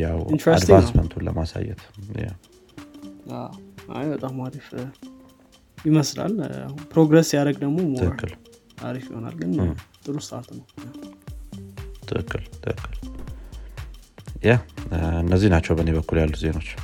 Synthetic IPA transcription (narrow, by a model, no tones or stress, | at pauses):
jawint̪ɾɛad̪t̪ansmənt̪ʰulə̰masa̰jːɛ̰t̪ja̰ | aa̰bət̪ʼamaɾif | jɪməsla̰la̰pɾo̞ɡɾesjaɾəɡd̪əɡmo̞mt̪ʰɨʔɨkːɨl | aɾifjɪho̞na̰lɡɨnt̪ʼɨɾust̪aɾt̪nəwja | t̪ʰɨʔɨkːɨlt̪ʰɨʔɨkːɨl | jahɨnːəzːinat͡ʃːɛwbəne̞βəkːuljalːuze̞no̞t͡ʃː